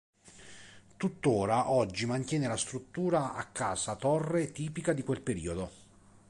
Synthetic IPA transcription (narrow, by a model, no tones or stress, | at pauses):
t̪ut̪ːoːɾaʔɔd͡ʒːimant̪jɛːnelast̪ɾut̪ːuːɾaa̰kːaːsat̪ɔrːet̪iːpikad̪ikwelpeɾḭːod̪o